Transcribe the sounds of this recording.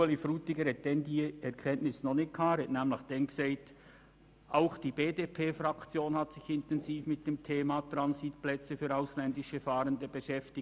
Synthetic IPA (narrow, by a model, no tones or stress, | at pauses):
əlifruːtɪɡəɾɛt̚d̥ɛndiːɛʁkʰɛntnɪsnɔχnɪkʰaːɾətnɛːmlɪçd̥ɛŋksaɪt | ʔaʊxd̥iːbeːdeːpʰeːfrɑkt͡sjoːnhɑtsɪçɪntɛnziːfmɪt̚d̥eːmtʰeːmɑt̪rɑnsiːtplɛt͡səfyːɐaʊslɛndɪʃəfaːɾəndəb̥əʃɛftɪ